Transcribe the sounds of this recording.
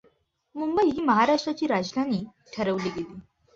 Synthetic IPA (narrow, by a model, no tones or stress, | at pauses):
mumbəiɦiːməɦaɾaʂʈɾat͡ɕiːɾad͡ʑd̪ʱaniː | ʈʰəɾəʋliːɡeliː